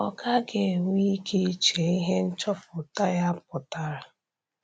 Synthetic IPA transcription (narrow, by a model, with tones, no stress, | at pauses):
ɔ˨ka˦ɡe˨ŋʷi˦kʰi˦i˦t͡ʃe˨i˦ɦe˦n̩˦t͡ʃɔ˦pʊ˨ta˦ja˦pʊ˨ta˦ɾa˦